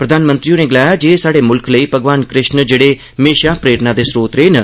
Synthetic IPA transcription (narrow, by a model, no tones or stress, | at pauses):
pɾəd̪ʱaːnmə̃nt̪ɾiːõːneːɡɪlaːjaːd͡ʒeːsaːɽeːmʊlkləiːpəɡʋaːnkɾɪʃnd͡ʒeːɽeː | meːʃaːpɾeːɾnãːd̪eːsɾoːt̪ɾeːnə